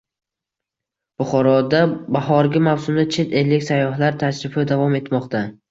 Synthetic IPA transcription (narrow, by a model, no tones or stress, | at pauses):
b̥ʊχɒɾɒd̪abahɒɾɡʲamawsʊmd̪at͡ʃʰe̞t̪e̞lɪkʲsajːɒɦlaɾt̪ʰaʃɾɪfɪd̪avɒme̞t̪mɒqt̪ʰa